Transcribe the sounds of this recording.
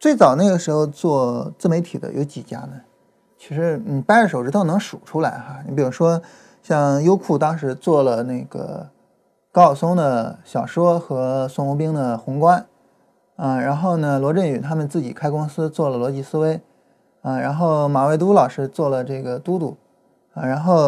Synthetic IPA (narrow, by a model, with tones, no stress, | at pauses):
t͡swe˥˩ɪt͡sɑ˨˩ʊna˥˩ɪɡə˩ʂɻ̩˧˥xo˧ʊt͡swɔ˥˧t͡sɹ̩˥˩me˧˥ɪt̪ʰi˨˩d̪ə̰˦jo̰˧˥ʊt͡ɕi˨˩t͡ɕja̰˥nə˧ | t͡ɕʰi˧˥ʂɻ̩˧˥n̩i˨˩pa˥n˧ʂɻ̩˧˥˩ʊʈ͡ʂɻ̩˥t̪ʰo˥˩nɤ˧˥ŋʂu˨˩ʈ͡ʂʰu˥la˧˥ɪxa˧n˧˩pi˨˩ɻu˥ʂwɔ˥ | ɕjɑ˥˧ŋjo˥ʊkʰu˥˩t̪ɑ˥ŋʂɻ̩˧˥t͡swɔ˥˩lə˩ne˥˩ɪɡ̥ə̰˩ | kɑ˥˩ʊsʊ˥ŋd̪ə˨˩ɕjɑ˨˩ʊʂwɔ˥xɤ˧˥sʊ˥ŋʊ˧˥pi˥ŋd̪ə˨xʊ˧˥ŋkwa˥n | ə˥˧ɻa˧˥nxo˥˩ʊnə˩lwɔ˧˥ʈ͡ʂə˥˩ny˨˩t̪ʰa˥mə˨nt͡sɹ̩˥˩t͡ɕi˨˩kʰa˥ɪkʊ˥ŋsɹ̩˥t͡swɔ˥˩lə˩lwɔ˧˥t͡ɕi˥˩sɹ̩˥we˥ɪ | ə˥˧ɻa˧˥nxo˥˩ʊma˨˩we˥˩ɪt̪u˥lɑ˨˩ʊʂɻ̩˥t͡swɔ˥˩lə˩ʈ͡ʂɤ˥˩ɡə˩t̪u˥t̪u˥˩ | a˧ɻa˧˥nxo˥˩ʊ